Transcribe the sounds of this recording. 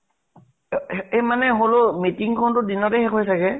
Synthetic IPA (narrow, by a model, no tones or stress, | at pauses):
emanɛɦolomitiŋkʰɔntʊdinɔtɛɦɛkʰojtʰakɛ